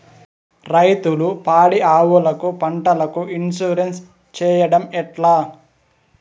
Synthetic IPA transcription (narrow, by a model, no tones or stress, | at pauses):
ɾɐjt̪ulupaːɽiaːwulɐkupɐɳʈɐlɐkuʔinsuɾens | t͡ʃɛːjɐɽɐmɛʈlaː